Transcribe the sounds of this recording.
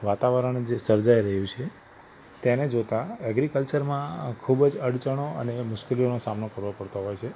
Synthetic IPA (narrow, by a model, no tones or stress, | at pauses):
ʋat̪aʋəɾəɳ̃d͡ʒesəɾd͡ʒaiɾəɦjũt͡ʃʰe | t̪ened͡ʒot̪aəɡɾikəlt͡ʃəɾmãkʰubd͡ʒəɽt͡ʃəɽ̃oə̰nemʊʃkelionosamnokəɾʋopəɽt̪oɦɔjt͡ʃʰe